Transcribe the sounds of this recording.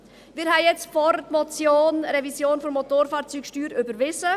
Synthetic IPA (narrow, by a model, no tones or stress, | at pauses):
mɪːɾɦɛɪjɛt͡stfɔɾətmɔt͡sjoːnɾɛvisjoːnfɔmɔt̪oːɾfɑːɾt͡syːkʃtyːɾʏbəɾʋɪzə